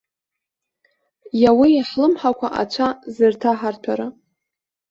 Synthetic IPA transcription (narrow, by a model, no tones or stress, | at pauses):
jawijaħlɨmħakʷʰaʔa̰t͡ʃʷʰazɨrtʰaħartʷʰaɾa